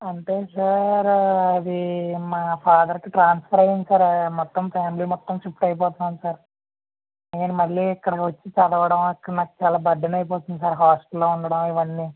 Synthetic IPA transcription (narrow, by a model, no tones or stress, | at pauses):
ɐɳʈeːsaɾɐd̪imaːpʰaːd̪ɐɾkiʈɾaːnspʰɐɾɐjɐnd̪isaːɾmɔt̪ːɐmfaːmiliːmɔt̪ːɐmt͡ʃipʈɐjp̬ɔːt̪ɐnaːmsaːɾ | ɐjɐnimɐlːiːikːɐɽɐʋɐt͡ʃːit͡ʃɐd̪ɐʋɐɽɐmɐkːɐɽɐnaːkːu̥t͡ʃaːlaːbɐd̪ːɐnɐjp̬ɔːt̪und̪isaːɾɦaːsʈɐlːoːuɳɖɐɽɐmiʋɐnːiː